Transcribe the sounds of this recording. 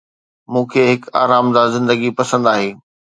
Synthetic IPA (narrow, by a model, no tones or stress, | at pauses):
mũːkʰeːɦɪka̰ːɾaːmd̪azɪ̃nd̪əɡipɐsə̃nd̪aːɦeː